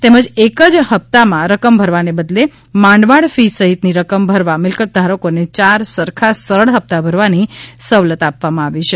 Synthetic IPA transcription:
t̪eməd͡ʒekəd͡ʒɦəp̚t̪amãɾəkəmbʱəɾʋanebəd̪le | mãɳɖʋaɭfisəɦit̪niɾəkəmbʱəɾʋamɪlkət̪̚d̪ʱaɾəkonet͡ʃaɾsəɾkʰasəɾəɭɦəp̚t̪abʱəɾʋanisəʋlət̪apʋamãaʋit͡ʃʰe

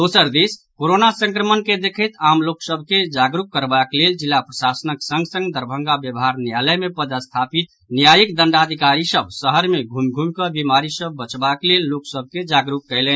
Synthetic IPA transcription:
d̪osəɾd̪iskoɾonasə̃ŋkɾəmənked̪ekʰət̪amloksəbʱked͡ʒaɡɾukkəɾbakleld͡ʒilːapɾəsasənəksə̃ŋɡsə̃ŋɡd̪əɾbʱəŋɡabjəbɦaɾnjaləjmepəd̪əst̪ʰapit̪ | njajikd̪ənɖad̪ʱikaɾisəbsəɦəɾmeɡʱumɡʱumkəbimaɾisəbːət͡ʃbaklelːoksəb̚ʱked͡ʒaɡɾukːəjlən

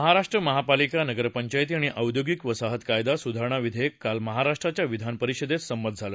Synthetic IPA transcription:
əɦaɾaʂʈɾəməɦapalikanəɡəɾpəɲt͡ɕajt̪̬iaɽ̃iʔəwd̪joɡikʋəsaɦət̪kajd̪asud̪ʱaɾɳ̃aʋid̪ʱekalməɦaɾaʂʈɾat͡ɕjaʋid̪ʱanpəɾiɕəd̪et̪səmbəd̪̚ʱd͡zʱalə

